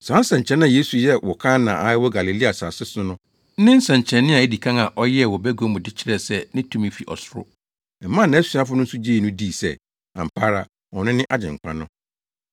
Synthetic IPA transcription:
sã˨˦n̩˦sɛ̃˨ɲ˨t͡ɕʰɛ̃˦nã˦˨je˦su˨jɛ˦wɔ˨kʰã˦nãː˨a˨˦ɪ˦wɔ˦ɡa˨li˨li˦a˨sa˨sɪ˦sʊ˦nʊ̃˦ | n̩˦nɪ̃˦n̩˦sɛ̃˨ɲ˨t͡ɕʰɛ̃˨nːɪ̃˦a˨e˦di˨kʰã˦ŋa˨ʔɔ˦jɛ˦ɛ˨wɔ˨bæ˦ɡo˨˦mʊ̃˨dɪ˦t͡ɕʰɪ˦ɾɛ˨sɛ˦˨nɪ̃˦tʰũ˦mĩ˦fi˨ʔɔ̰˨sʊ˦ɾʊ̰˦˨ | m̩˨˦mã˦˨nːã˨˦æ˦su˨˦a˦fʊ˦nʊ̃˦n̩˦sʊ˦d͡ʑiː˦˨nʊ̃˦di˦˨sɛ̰˦ | ã̰˨m̩˨pʰaː˦ɾa˦ | ɔ˨nɪ̃˦nɪ̃˦ʔa˦d͡ʑɪ̰̃˨ŋ̩˨k͡pʰã˦nʊ̃˦

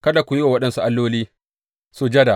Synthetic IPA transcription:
kɐ˦da˨kʷʊ˨jɪ˦wa˨wɐ˦ɗɐ˦nsu˦ʔa˦lːoː˦liː˦ | su˦d͡ʒɐ˦da˨

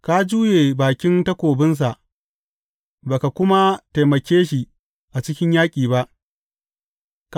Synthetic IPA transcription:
ka˦d͡ʒuː˦jeː˨baː˨kʲɪ˦ntɐ˦kʷoː˨bɪ˦ns̬a˨ʔ | baː˨ka˨kʷʊ˦ma˦ta˨jmɐ˨kʲeː˦ʃi˨ | ʔa˨t͡ʃɪ˦kʲɪ˦ɲjaː˦kʲʼiː˨βa˦ʔ | k

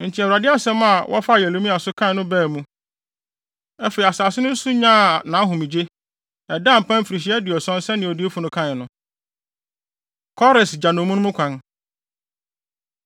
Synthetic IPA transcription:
n̩˨tʰɪ˨ɛ˨wɾa˨dɪ˦a˦sɛ̃˦m˦a˨wʔɔ̰˦fa˦˨jɛ˨lo˦mĩ˦a˨sʊ˦kʰã˦n˨nʊ̃˦bɛː˦˨mũ˦ | ɛ˦fe˨i˨a˨saː˨sɪ˦nʊ̃˦su˦ɲã˦˨nã˨˦ɦʊ̃˨mĩ˨d͡ʑe˦ | ɛ˨dã˦˨m̩˨pʰã˦m̩˦˨fi˨ɾi˨ɕ̬i˦ɛ˦dɪ˨ɔ˨sɔ̃˦n˦sɛ˦nɪ̃˨o˨di˦e˦fʊ˨nʊ̃˦kʰã˦n˨nʊ̃˦ | kʰɔ˦ɾɪ˨sd͡ʑa˨nʊ̃˨mũ˦nʊ̃˦ʊ̃˦kʰʷã˦n

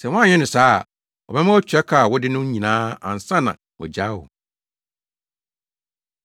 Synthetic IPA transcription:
sɛ˨wɔ̃˦ã˦˨ɲɛ̃˦nʊ̃˨saː˦˨ | ɔ̰˨bɛ˦mã˦wɔ˦t͡ɕᶣɛ˦kʰa˨wɔ˦dɪ˦nʊ̃˦ɲĩ˨nãː˦ã̰˨n˨sã˦nːã̰˨ | wɔ̰˨d͡ʑa˦wʊ̰˨

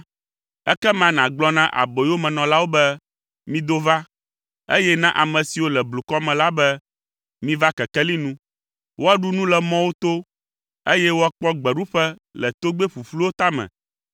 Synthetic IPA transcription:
ɛ˦kɛ˦mã˨nã˨ɡ͡blɔ˦nã˦ʔa̰˨bo˨jo˦mɛ̃˨nɔ̃˨la˦wo˦bɛ˦ | mĩ˦d̪o˦va˦ | ḛ˦jɛ˦nã˦ʔa˨mɛ̃˨si˨wo˦lɛ˨blu˨kɔ˦mɛ̃˨la˦bɛ˦ | mĩ˦va˦kɛ˨kɛ˦li˦nũ˦ | wʔo˦a˦ɖu˦nũ˦lɛ˨mɔ̃˦wo˦t̪o˦ | e˦jɛ˦wo˦a˦k͡pɔ˦ɡ͡bɛ˨ɖu˦ɸɛ˦lɛ˨t̪o˦ɡ͡be˦ɸu˨flu˦wo˦t̪a˦mɛ̰̃˨

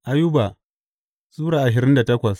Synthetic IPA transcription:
ʔa˦jʊ˦ba˨ | sʼuː˦ɽaː˨ʔa˨ʃ̬ɪ˨ɾɪ˦nda˨tɐ˦kʷɐ˨s

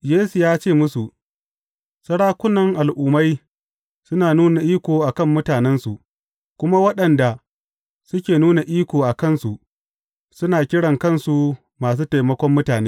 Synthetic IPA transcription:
jeː˦su˨jaː˦t͡ʃeː˦˨mʊ˦su˨ | sɐ˦ɽaː˦kʷʊ˦nɐ˨ŋʔa˨lʔuː˦ma˦j | sʊ˦naː˨nuː˦na˨ʔiː˦kʷoː˨ʔa˨kɐ˦mːʊ˦taː˨nɛ˦nsu˨ | kʷʊ˦ma˦wɐ˦ɗɐ˨nda˨ | sʊ˦kʲeː˨nuː˦na˨ʔiː˦kʷoː˨ʔa˨kɐ˦˨nsu˨ | sʊ˦naː˨kʲɪ˦ɽɐ˨ŋkɐ˦˨nsu˨ | maː˨s̬uː˦ta˨jmɐ˦kʷɔ˦mːʊ˦taː˨neː˦

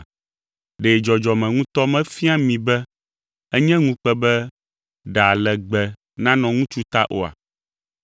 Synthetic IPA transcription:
ɖe˨d͡ʒɔ˨d͡ʒɔ˨mɛ̃˨ŋũ˦t̪ɔ˦mɛ̃˦fi˦a˦mĩ˨bɛ˦ | ɛ˦ɲɛ̃˦ŋũ˦k͡pɛ˦bɛ˦ | ɖa˨lɛ˨ɡ͡bɛ˨ | nã˦nɔ̃˨ŋũ˦t͡ʃu˦t̪a̰˦ʔo̰˦a̰˨

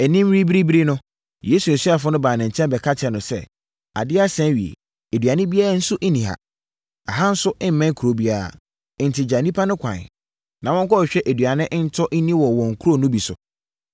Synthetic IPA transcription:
æ˨nĩ˦m˦ɾi˦bi˦ɾi˦bɾi˦nʊ̃˦ | je˦su˨su˦a˨fʊ˦nʊ̃˦baː˨nã˨ɲ̩˨t͡ɕʰɛ̃˦mbɛ˨kʰa˦t͡ɕʰɛ˨nʊ̃˨sɛ̰˦˨ | a̰˨dɪ˦a˦sɛ̃˦ɥi˨ḛ˨ | æ˨dɥa˨nɪ̃˦bi˦a˦ɾa˦n̩˦sʊ˦ʔe˦nĩ˨ɦa̰˨ | a˨ɦa˦n̩˦sʊ˦ʔɪ̃˦m̩˨˦mɛ̃˦kʰu˨ɾo˦bi˦a˨a̰˨ | n̩˨tʰɪ˨d͡ʑa˨nĩ˦pʰa˦nʊ̃˦kʷʰã̰˨n˨ | nã˨wɔ̃˦ŋ˦kɔ˦˨ɕᶣɛ˦ʔe˨du˨a˨nɪ̃˦ʔn̩˦tʰɔ˦ʔ̩˦nĩ˦wɔ˨wɔ̃˨ŋ̩˨kʰu˦ɾo˦nʊ̃˦bi˨sʊ̰˨

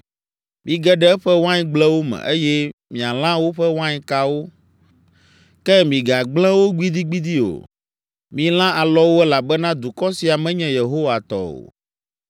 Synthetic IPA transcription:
mĩ˨ɡɛ˦ɖɛ˦ɛ˦ɸɛ˦wã˦ɲĩ˨˦ɡ͡blɛ̃˦wo˦mɛ̰̃˨ʔe˦jɛ˦mĩ˨a˨l̃ã˦wo˦ɸɛ˦wã˦ɲĩ˦ka˦wo˦ | kɛ˦mĩ˨ɡa˨ɡ͡blɛ̃˦wo˦ɡ͡bi˦d̪i˦ɡ͡bi˦d̪i˦o̰˨ | mĩ˨l̃ã˦a˨lɔ˦wo˦ɛ˦la˨bɛ˦nã˦d̪u˨kɔ˦si˨a˨mɛ̃˦ɲɛ̃˨je˨ɦo˦wa˨t̪ɔ̰˨o̰˨

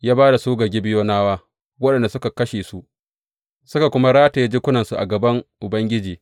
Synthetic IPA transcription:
jaː˦baː˦da˨soː˦ɡɐ˨ɡʲi˦bɪ˦joː˦naː˦waː˦ | wɐ˦ɗɐ˨nda˨sʊ˦ka˨kɐ˦ʃeː˨su˦ʔ | sʊ˦ka˨kʷʊ˦ma˦ɽaː˦ta˨ja˦d͡ʒɪ˦kʷʊ˦nɐ˨nsu˨ʔa̰˨ɡɐ˨bɐ˦ŋʔʊ˨bɐ˦ŋɡʲɪ˦d͡ʒiː˨

